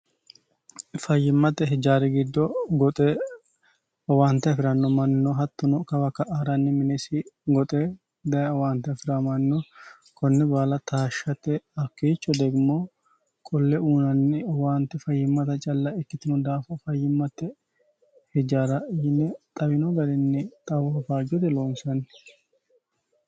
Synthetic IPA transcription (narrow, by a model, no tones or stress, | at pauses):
fɐjːɪmːɐt̪ːɛɦɛd͡ʒaːɾɛɡɪd̪ːɔɡɔt̪ʼɛ | waːnt̪ɛɐfɪɾɐnːɔmɐnːɔɦɐt̪ːʊnɔkɐbɐkːɐʔaːɾɐnːɪmɪnɛsɪɡɔt̪ʼɛ | d̪ɐjwaːnt̪ɛɐfɪɾamɐnːɔ | kʰɔnːɛbaːlɐt̪ʰaːʃːɐt̪ːɛɐkːeːt͡ʃːɔd̪ɛɡɪmoː | kʼɔlːɛuːnɐnːɪwaːnt̪ɛfɐjːɪmːɐt̪ɐt͡ʃʼɐlːɐɛkːɪt̪ɪnɔd̪aːfɐfɐjːɪmːɐt̪ːɛ | hɛd͡ʒaːɾɐjɪnːɛt̪ʼɐbɪnɔɡɐɾɛnːɪt̪ʼɐwɔɐfaːd͡ʒɔt̪ɛloːnsɐnː